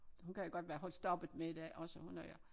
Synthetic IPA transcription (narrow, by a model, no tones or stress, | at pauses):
hunkʰæjoɡ̥ɒ̽d̥ʋæːɐɦɒ̽lsd̥ɒ̽b̥ð̩ˠmeid̥ɛ̰ʔɒ̽səhunæjo